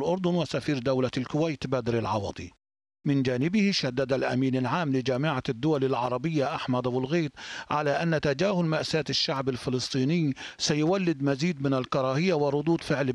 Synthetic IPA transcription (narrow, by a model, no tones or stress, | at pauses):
lʔʊɾˤd̪ˤʊnwɪsafiːɾd̪awlalkʊwajt̪bad̪ɾɪlʕɑwɑ̰ːt̪ˤḭ | mɪnd͡ʒaːnɪbɪhɪʃad̪ːad̪alʔa̰miːnɪlʕaːmlɪd͡ʒaːmɪʕad̪ːʊwalɪlʕɑ̰ɾˤɑbɪjːaʔaħmad̪awɪlɣiːt̪̚ˤʕalaʔanːat̪ad͡ʒaːhʊlmaʔsaːt̪ɪʃːaʕbalfɪlɨsˤt̪ˤiːnɪj | sajʊwalːɪd̪maziːd̪mɪnalkɑɾˤɑːhɪjːawɪɾˤʊd̪ˤuːd̪fɪʕl